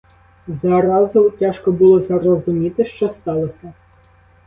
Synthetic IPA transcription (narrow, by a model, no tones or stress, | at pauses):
zɑɾɑzʊtʲaʃkɔbulˠɔzɐɾɔzʊmʲit̪ɪʃt͡ʃɔst̪ɑlˠɔsʲɐ